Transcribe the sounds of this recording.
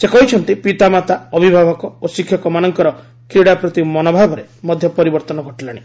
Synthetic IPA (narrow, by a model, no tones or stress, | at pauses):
sekɔɦit͡ʃʰɔnt̪ipit̪amat̪aɔbʱibʱabɔkɔosikʰjɔkɔmanɔŋkɔɾɔ | kɾiɽapɾɔt̪imɔnɔbʱabʱɔɾemɔd̪ʱjɔpɔɾibɔɾt̪ɔnɔɡʱɔʈilaɽ̃i